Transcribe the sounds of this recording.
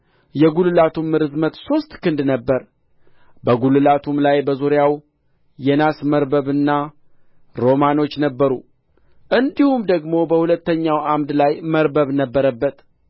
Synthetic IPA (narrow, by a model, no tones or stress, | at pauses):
jɛɡulɨlat̪ʰumːɨɾɨzmət̪so̞st̪kɨnd̪nəbːəɾ | bəɡulɨlat̪ʰumlajbəzuɾjaw | jɛnasməɾbəβɨnːa | ɾo̞mano̞t͡ʃːnəbːəɾṵ | ʔɨnd̪ihumd̪əɡmo̞bəhulət̪ːəɲːawʔamd̪lajməɾbəβnəbːəɾəbːət̪